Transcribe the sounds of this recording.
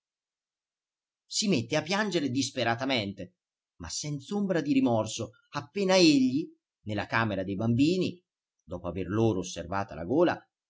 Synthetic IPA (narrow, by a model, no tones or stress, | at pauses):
simet̪ːeapːjand͡ʒeɾed̪ispeɾat̪ament̪e | ma̰sːɛnt̪sombɾad̪iɾimɔrso | apːeːnaeʎːi | nelːakaːmeɾad̪ejbambiːni | d̪ɔːpoaverloːɾoːsːervaːt̪a̰la̰ɡoːla̰